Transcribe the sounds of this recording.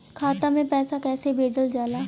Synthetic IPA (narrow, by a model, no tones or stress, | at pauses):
kʰaːt̪amẽpɛːsakɛːsebeːd͡ʒəld͡ʒaːlaː